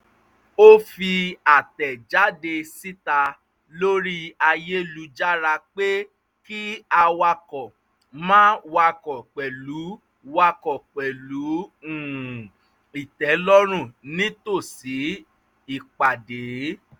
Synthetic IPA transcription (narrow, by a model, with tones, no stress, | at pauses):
o˦fi˧a˨tɛ˨d͡ʒa˨˦de˧si˦ta˧ | lo˦ɾi˦a˧je˦lu˧d͡ʒa˦ɾa˧k͡pe˦ | ki˦a˧wa˧kɔ˨ | mãː˦wa˧kɔ˨k͡pɛ˨lu˨˦ | wa˧kɔ˨k͡pɛ˨lu˨˦ũ˨ | i˨tɛ˨˦lɔ˦ɾ̃ũ˦˨nĩ˦to˦˨si˨˦ | i˦˨k͡pa˨de˨˦